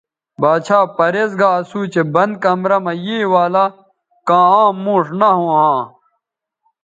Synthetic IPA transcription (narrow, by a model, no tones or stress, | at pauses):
baːt͡ɕʰaːpɐɾezɡaɐsuːt͡ɕebɐnd̪̚kɐmɾɐmɐjeːwaːla | kãːãːmːũːʂnɐɦõːɦãː